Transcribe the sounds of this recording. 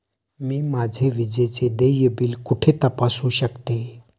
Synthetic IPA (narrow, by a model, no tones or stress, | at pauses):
miːmad͡zʱeʋid͡ʑet͡sed̪ejəbiːlkuʈʰet̪əpasuːɕəkt̪e